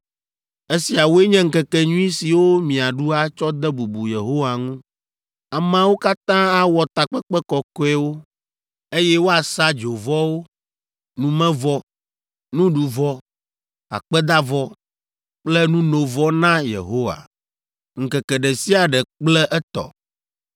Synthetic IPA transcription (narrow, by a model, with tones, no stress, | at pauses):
e˦si˨a˨wo˦e˦ɲɛ̃˦ŋ̩˦˨kɛ˨kɛ˨ɲũ˦ĩ˦si˨wo˦mĩ˨a˨ɖu˦a˦t͡ʃɔ˦d̪ɛ˦bu˨bu˨je˨ɦo˦wa˨ŋũ˦ | a˨mã˦wo˦ka˦t̪ã˦a˦wɔ˨t̪a˨k͡pɛ˦kk͡pɛ˦kɔ˨kɔ˦ɛ˦wo˦ | e˦jɛ˦wo˦a˨sa˦d͡ʒo˨vɔ˦wo˦ | nũ˨mɛ̃˦vɔ˦ | nũ˦ɖu˨vɔ˦ | a̰˨k͡pɛ˦d̪a˦vɔ˦ | k͡plɛ˦nũ˦no˨vɔ˦nã˦jḛ˨ɦo˦wa̰˨ | ŋ̩˨kɛ˨kɛ˨ɖɛ˨si˦a˨ɖɛ˨k͡plɛ˦ʔɛ˦t̪ɔ̰˨